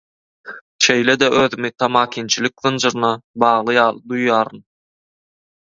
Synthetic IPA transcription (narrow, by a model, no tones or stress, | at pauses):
ʃe̞jled̪eʔøːðymit̪ʰɑmɑːkʰʲiːnt͡ʃʰilʲik̚θɯnd͡ʒɯɾɯnɑbɑːʁlˠɯjɑːlˠɯd̪ujːɑːɾɯn